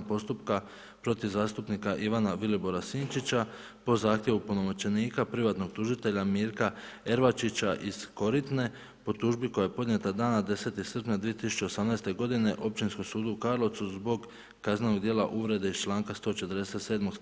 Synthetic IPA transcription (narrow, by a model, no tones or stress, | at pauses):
po̞st̪upka | pɾo̞t̪iʋzaːst̪upnikaʔiʋanaʋilibo̞ɾasiːnt͡ʃit͡ɕa | po̞zaːxt̪jeʋupuno̞mot͡ʃe̞niːkapɾiʋat̪no̞ɡ̥̚t̪uʒit̪e̞ʎamiːɾka | e̞ɾʋat͡ʃit͡ɕaʔiz̥ko̞ɾit̪ne̞ | po̞t̪uːʒbiko̞jajepo̞d̪ɲe̞t̪ad̪aːnad̪e̞se̞t̪isr̩pɲad̪ʋije̞t̪isu̥t͡ʃe̞osamnaːst̪e̞ɡo̞d̪ine̞ʔo̞p̚t͡ʃinskomsuːd̪uukaːɾlo̞t̪suzbo̞ɡː | aznenoɡd̪je̞ːla̰ʔuʋɾe̞d̪eist͡ʃlˠaːŋkast̪o̞t͡ʃet̪əɾd̪ese̞t̪seːd̪moɡ